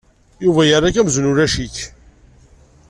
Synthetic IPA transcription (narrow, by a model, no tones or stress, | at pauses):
juvæjərːak̬æmznʊɾæʃiç